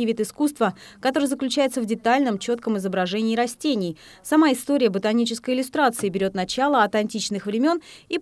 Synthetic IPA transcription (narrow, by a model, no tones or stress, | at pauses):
ɪvʲit̪ɨskust̪vəkɐt̪o̞ɾəjzəklʲʉt͡ɕæjɪt̪səvdʲɪt̪alʲnəmt͡ɕo̞t̪kəmɨzəbɾɐʐɛnʲɪːɾɐsʲtʲenʲɪj | sɐmaɪst̪o̞ɾʲɪjəbət̪ɐnʲit͡ɕɪskəjɪlʲʊst̪ɾat̪sɨɪbʲɪɾʲo̞t̪nɐt͡ɕalˠəɐt̪ɐnʲtʲit͡ɕnɨxvɾʲɪmʲo̞ni